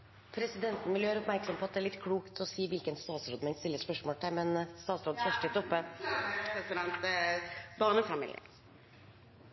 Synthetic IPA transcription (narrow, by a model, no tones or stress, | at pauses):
pʰɾɛsɪd̪ɛnt̪n̩ʋɪləjøːɾəɔpmæɾksɔmpʰɔɑt̪̚d̪ɛæːɭɪt̪ːkʰɽuːkt̪ʰɔsiːʋɪlkənst̪ɑːt̪sɾoːd̪mɛɪnst̪ɪlːəspœʂmoːlt̪ʰɛmɛnst̪ɑːt̪sɾoːd̪əsfœʂʈəɪt̪ʰʊpːəpɾɛsɪd̪ɛnt̪ | bɑːnəfɑmḭːlɪə̰